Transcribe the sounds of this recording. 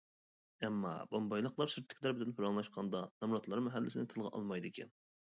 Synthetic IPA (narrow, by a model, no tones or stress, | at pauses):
ɛmːɑ̰bɑmbɑjlˠəqlˠɑɾsyɾt̪ʰːɪ̥kʲʰlæɾbɪd̪ɪnpʰʊɾɑŋlˠɑʃqʰɑnd̪ɑnɛmɾɑt̪lˠɑɾmɛɦælːɪ̰sɪnɪŋt̪ʰɨlˠʁɑ̰ʔɑ̰lˠmɑjd̪ɨkʲʰɛ̰n